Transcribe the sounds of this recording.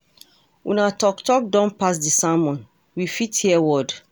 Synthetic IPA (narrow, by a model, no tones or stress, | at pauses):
unatɔktɔk̚dɔ̃npasdisamɔ̃n | wifithiɛwɔd